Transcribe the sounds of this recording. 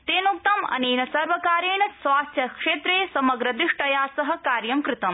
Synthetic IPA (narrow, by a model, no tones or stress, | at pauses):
t̪eːnuk̚t̪ɐmɐ̰niːnɐsɐɾʋɐkaːɾeːɳɐsʋaːst̪ʰjɐkʂeːt̪ɾeːsɐmɐɡɾɐd̪ɾɪʂʈɐjaːsɐɦɐ̆kaːɾjɐmkɾɪt̪ɐm